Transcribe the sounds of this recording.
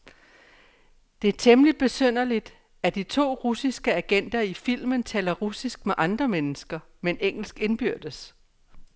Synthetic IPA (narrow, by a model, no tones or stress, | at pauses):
d̥e̝æt͡sʰemlid̥̚b̥e̝søn̰ɐlid̥ | æd̥it͡sʰo̝̰ːʁusisɡ̥əæɡ̥en̰d̥ɐifil̰mənt͡sʰɛ̰ːlɐʁusisɡ̥̚meʔɑ̈nd̥ʁɐmenəsɡ̥ɐmeneŋ̰l̩sɡ̥e̝nb̥yɐ̰d̥əs